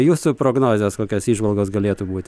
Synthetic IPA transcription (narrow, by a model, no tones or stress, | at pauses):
juːsʊpɾoːɡnoːzʲɛːskoːkʲoːsiːʒʋɐlˠɡoːsɡɐlʲeːt̪ubuːt̪ʲ